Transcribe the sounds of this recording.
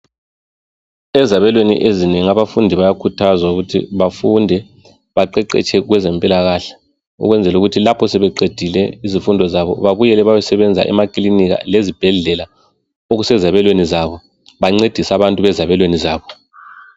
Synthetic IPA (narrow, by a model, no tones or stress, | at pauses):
ɛzaβɛlwenḭʔezineŋiaβafundʱiβajakʰutʰazwauɣutʰḭβafundʱɛ | βaǃɛǃɛ̰t͡ʃʰʼɛɣwɛzɛmpʼilaɣaɬɛ̥ | ṵɣwɛnd͡zʱɛluɣutʰilapʰɔsɛβɛǀed̥ʱilɛizifundʱɔzaβɔ̰βaβujɛlɛβajɛsɛβɛnd͡zʱa̰ʔɛ̰makʼliniɣa̰lezib̥ʱɛɮɛla | oɣusɛzaβɛlwenizaβɔ | βaŋ͡ǀed̥ʱisaβantʼuβɛzaβɛlwenizaːβɔ